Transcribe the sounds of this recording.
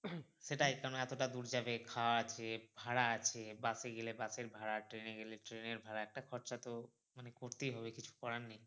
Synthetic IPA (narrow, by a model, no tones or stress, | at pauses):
ʃeʈakaɾoneɛt̪oʈad̪uɾd͡ʑabekʰawaat͡ɕʰebʱaɽaat͡ɕʰebaseɡelebaseɾbʱaɽaʈɾeneɡeleʈɾeneɾbʱaɾaɛk̚ʈakʰɔɾt͡ɕat̪o | manekoɾt̪ejɦɔβekit͡ɕʰu̥kɔɾanni